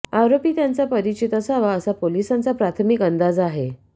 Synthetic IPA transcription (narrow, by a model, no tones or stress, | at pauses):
awɾopiːt̪jant͡sapəɾit͡ɕit̪əsaʋaəsapolisant͡sapɾat̪ʰmikənd̪ad͡zaɦe